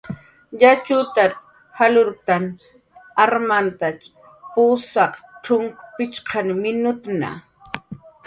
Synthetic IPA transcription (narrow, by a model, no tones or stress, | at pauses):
ʎat͡ʃʊt̪aɾ | halʊɾt̪an | aɾmant̪a | puːsɑqʈ͡ʂʊŋkʊpɪt͡ʃqʰɑnmɪnʊt̪na̰